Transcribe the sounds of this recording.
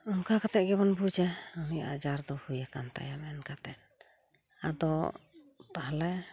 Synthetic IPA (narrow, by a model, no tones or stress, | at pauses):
ɔnkakat̪ɛʔ̪̚ɡɛbɔnbud͡ʒɛɔnijaad͡ʒaɾd̪ɔhujakant̪a̰jamɛnkat̪ɛt̪̚ | ad̪ɔ | pahlɛ